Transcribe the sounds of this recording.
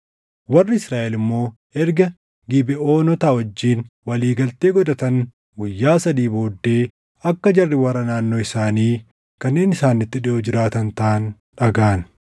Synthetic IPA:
wɐrːɪɪsɾaːʔɛlɪmːo̞ː | ɛɾɡɐ | ɡɪbɛo̞ːnɔt̪awɐd͡ʒːiːnwɐliːɡɐlt̪eːɡɔd̪ɐt̪ɐn | ɡʊjːaːsɐd̪iːbo̞ːd̪ːe̞ː | ɐkːɐd͡ʒɐrːɪwɐrːɐnaːnːo̞ːɪsaːniː | kɐnːe̞ːnɪsaːnːɪt̪ːɪᶑɪʔod͡ʒɪɾaːt̪ɐnt̪ɐn | ᶑɐɡaːn

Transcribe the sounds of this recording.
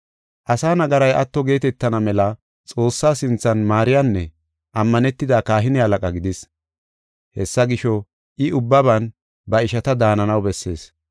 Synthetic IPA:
ʔɐsaːnɐɡɐɾɐjʔɐt̪ːɔɡe̞ːt̪ɛt̪ːɐnɐmɛlɐ | t͡sʼo̞ːsːaːsɪnt͡sːɐnmaːɾɪjanːɛ | ʔɐmːɐnɛt̪ːɪd̪akaːɦɪnɪhɐlɐkʼɐɡɪd̪ɪs | hɛsːɐɡɪʃɔ | ʔɪʊbːɐβɐn | bɐɪʃɐt̪ɐd̪aːnɐnɐwbɛsːe̞̰ːs

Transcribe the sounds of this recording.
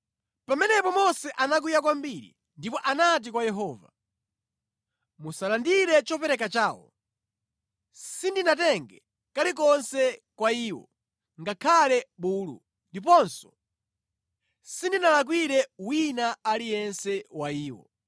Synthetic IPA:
pamɛnɛpɔmɔsɛʔanak̬ujakwambiɾḭ | ndipɔʔanat̬ikwajɛɦɔːva̰ | musalandiɾɛt͡ʃɔpɛɾɛkat͡ʃaːwɔ̰ | sindinatɛŋɡɛ | kalik̬ɔnsɛkwaiːwɔ̰ | ŋɡakʰalɛɓuːlṵ | ndip̬ɔnsɔ̥ | sindinalak̬wiɾɛwinaalijɛnsɛwaiːwɔ̰

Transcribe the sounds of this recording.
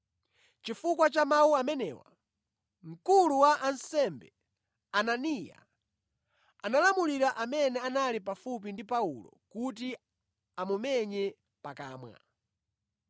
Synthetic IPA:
t͡ʃifuk̬wat͡ʃamawuamɛnɛ̰wa̰ | ŋ̩kuluwaʔansɛmbɛ̰ | ananija̰ | analamuliɾaʔamɛnɛanalipafup̬indipaṵlɔ̰kut̬i | amumɛɲɛ | paka̰ːmwa̰

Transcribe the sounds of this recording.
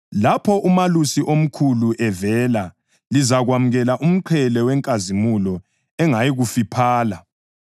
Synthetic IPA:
lapʰɔʔumalusiʔom̩kʰuluʔɛvɛːla | lizaɣwamuɣɛlaʔum̩ǃʰɛlɛwɛŋkʼazimulɔ | ɛŋajiɣufipʰaːla

